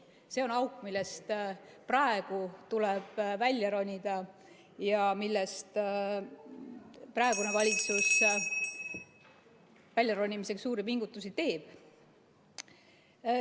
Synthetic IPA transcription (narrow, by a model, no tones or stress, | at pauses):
se̞o̞nɑwkˑmilːe̞st̪prɑe̞ɡ̥ut̪ulɛb̥vælʲjɑɾonʲid̪̥ɑ | jɑmilːest̪ | prɑe̞ɡ̥unevɑlʲit̪sus | vælʲjɑɾo̞nʲːimise̞ksuːɾipiŋɡ̥ut̪ːˑusit̪e̞ːb̥